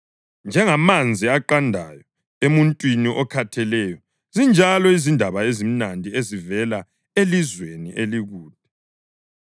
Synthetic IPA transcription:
nd͡ʒʱɛŋamand͡zʱiaǃandʱa̰jɔ | emuntʼwiniʔɔkʰatʰɛlɛjɔ | zind͡ʒʱalɔizindʱaβaezim̩nandʱiezivɛla | elizwenḭʔeliɣuːd̥̚ʱʼɛ

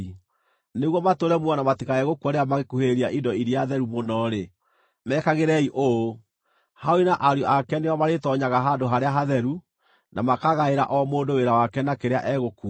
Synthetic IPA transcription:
neɣwɔmatoɾɛmwɔnamatikaɛɣokuaɾeamaɣekuheɾiaʔidɔiɾiaðɛɾumonɔɾe | mɛːkaɣeɾɛiʔo | haoinaʔaɾjɔakɛneɔmaɾetɔɲaɣaɦandoɦaɾeaɦaðɛɾu | nʔamakaɣaeɾa̰ʔɔmoːndoweɾawakɛnakeɾeaʔɛɣoku

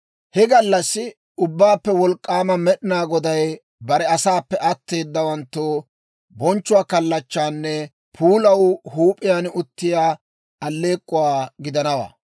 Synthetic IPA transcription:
hɛɡɐlːɐsːɪ | ʊbːaːpːɛwɔlkʼːaːmɐmɛɗɪnaːɡɔd̪ɐj | bɐɾɛɐsaːpːɛʔɐt̪ːe̞ːd̪ːɐwɐnt̪ːoː | bɔnt͡ʃːʊwaːkɐlːɐt͡ʃːaːnːɛ | pʰuːlɐwhuːpʼɪjaːnʊt̪ːɪjaː | ɐlːe̞ːkʼːʊwaːɡɪd̪ɐnɐwa̰ː

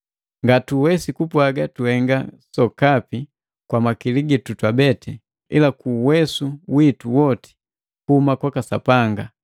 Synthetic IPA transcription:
ŋɡatuwɛsikupwaɡatuhɛŋɡa̰sɔkapi | kwamakiliɡitutwabɛtɛ | ḭlakuːwɛsuwituwɔti̥ | kuhumakwakasapaŋɡa

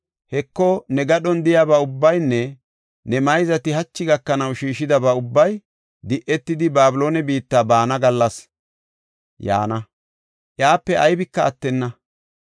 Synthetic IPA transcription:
hɛkːɔnɛɡɐɗɔnd̪ɪjabɐʊbːɐjnːɛ | nɛmɐjzɐt̪ɪɦɐt͡ʃːɪɡɐkːɐnɐwʃiːʃɪd̪ɐbɐʊbːɐj | d̪ɪʔɛt̪ːɪd̪ɪbaːbɪlo̞ːnɛbiːt̪ːaːbaːnɐɡɐlːɐs | ja̰ːnɐ | ʔjaːpːɛʔɐjbɪkːɐːt̪ːɛnːɐ

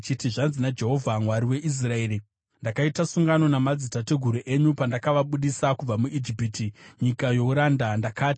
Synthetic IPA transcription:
t͡ʃitiʐanzinad͡ʒe̞ɦo̞vʱamwaɾiwe̞ʔis̬rae̞ːɾi | ndakaitasuŋɡano̞namad͡zitateɡʱuɾuʔe̞ɲupandakaʋaɓuɗisakub͡vamuʔid͡ʒipitiɲikajo̞uɾandandakaːti̥

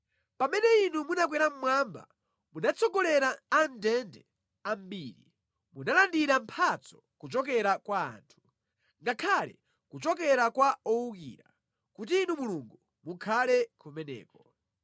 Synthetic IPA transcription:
pamɛnɛinumunak̬wɛɾam̩mwamba̰ | munat͡sɔɡɔlɛɾaːndɛndɛ | am̩biːɾḭ | munalandiɾampʰat͡sɔ̥ | kut͡ʃɔk̬ɛɾakwa̰ːntʰu̥ | ŋɡakʰalɛ̰ | kut͡ʃɔk̬ɛɾakwaɔukḭːɾa | kut̬iːnumuluŋɡu | mukʰalɛkʰumɛnɛ̰ːkɔ

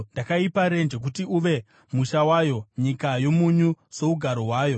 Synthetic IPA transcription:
ndakaipaɾe̞nd͡ʒe̞k̬utiuʋe̞ | muʃawaːjo̞ɲikajo̞muɲuso̞uɡʱaɾoɦwaːjo̞

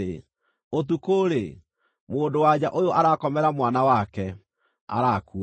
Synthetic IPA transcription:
e | ot̬ukoːɾe | moːndowad͡ʑaʔojoʔaɾakɔmɛɾamwanawakɛ | a̰ɾaku

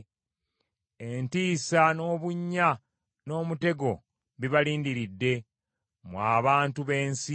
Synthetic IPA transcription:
e̞ntiːsano̞ːβuɲːa | no̞ːmute̞ɡo̞ | βiβaliːndiɾidːe̞ | mwaːβaːntuβe̞ːnsi

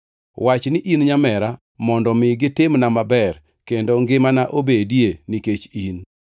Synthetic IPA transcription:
wat͡ʃnɪʔinɲamɛɾa | mɔndɔmɪɡɪtɪmnamabɛr | kendoŋɡɪmanaʔobedjeniket͡ʃin

